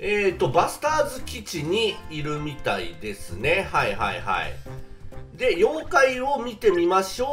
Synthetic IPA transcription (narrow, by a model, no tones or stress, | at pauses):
eːt̪o̞basɨ̥t̪aːzɨkʲit͡ɕiɲ̟iːɾɯ̟mʲit̪aḭd̪e̞sɨne̞haiha̰ḭha̰ḭ | d̪e̞jõ̞ŋkaio̞mʲit̪e̞mʲimaɕo̞ː